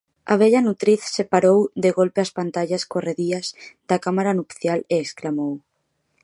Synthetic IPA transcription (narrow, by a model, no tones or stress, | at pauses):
ɐ̰βɛʎanut̪ɾiθsepaɾowd̪eɣolpeaspant̪aʎaskoreðiɐzd̪akamaɾanupθjaleːsklamow